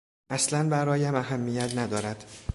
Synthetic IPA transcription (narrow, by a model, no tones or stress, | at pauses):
ʔæslænbæɾɒːjæmæɦæmːijæt̪ʰnæd̪ɒːɾæd̪̥